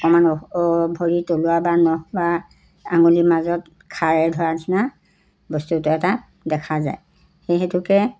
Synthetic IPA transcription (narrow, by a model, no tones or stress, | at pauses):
ɔkɔmanɔbʱoɹitoluabanɔba | a̰ŋɡolimazɔt | kʰaɹɛdʱɔɹatʰina | bɔstutʊɛta | dɛkʰaza̰j | xejɦetukɛ